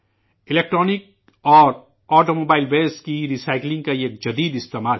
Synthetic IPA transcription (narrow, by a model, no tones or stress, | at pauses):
ɪleːk̚ʈɾɔːnɪk̚ | ɔːɾ | ɔːʈoːmoːbaːɪlbeːskiɾiːsaːɪklɪ̃ŋɡkaeːk̚d͡ʒɐd̪iːd̪ɪst̪eːmaːl